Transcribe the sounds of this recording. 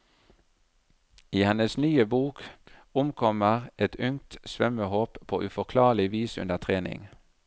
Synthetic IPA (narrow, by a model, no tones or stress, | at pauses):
iːhɛnəsnyːəbuːkʊmkʰɔməʁʔɛt̪ʏŋt̪sʋœməhoːppʰːo̰ːʔʉfɔʁkʰlɑːʁlɪʋiːsʉ̰nd̪əʁt̪ʰʁeːnɪ̰ŋ